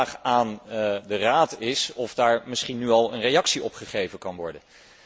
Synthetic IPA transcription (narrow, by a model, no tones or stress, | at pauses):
χaːndəraːtɪsɔvdaːɹmɪsχinːyɑlˠə̰nrejɑksiɔpχəχejvənkɑnʋɔɹdən